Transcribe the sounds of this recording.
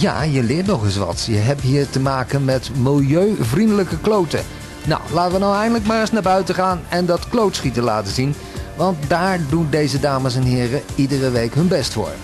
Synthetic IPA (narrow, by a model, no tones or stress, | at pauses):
ja̰ːjəlɪːɹtnɔχɪs̬ʋɑ̰tjəɦɛp̚tɦiːɹtəmaːkənmɛtmɪlˠjøɥvrindələkəklowtə̰ | na̰wlaːtəʋənowɛjndələkmaːrɪsnabœɥtəχaːnɛndɑtklowtsχitəla̰ːtəzin | ʋɑnt̚daːɹdundejzədaːməsɛnɦɪːrəidərəʋejkɦɵnbɛstfʊ̰ːɹ